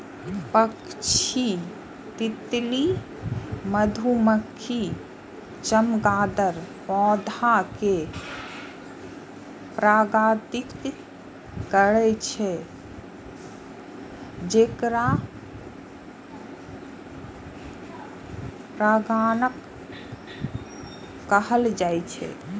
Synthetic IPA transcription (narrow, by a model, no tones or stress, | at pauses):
pəkt͡ʃʰi | t̪it̪li | məd̪ʱuməkʰːi | t͡ʃəmɡaːd̪əɾpɔ̃ːd̪ʱake | pɾaːɡaːt̪ikt̪ | kəɾɛt͡ʃʰɛ | d͡ʒekɾa | pɾaɡanək | əɦəld͡ʒajt͡ʃʰɛ̰